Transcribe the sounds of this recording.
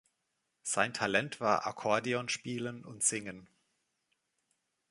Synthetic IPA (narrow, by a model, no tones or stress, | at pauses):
z̥aɪntʰalɛntv̥aːɐʔa̰kʰɔɐdiɔnʃpiːlənʊ̰ntz̥ɪŋən